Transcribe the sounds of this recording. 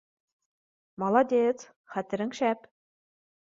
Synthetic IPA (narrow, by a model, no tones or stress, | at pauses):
mɑlˠɑd̪ʲet͡s | χæt̪ɘ̆ɾɘ̆ŋʃæp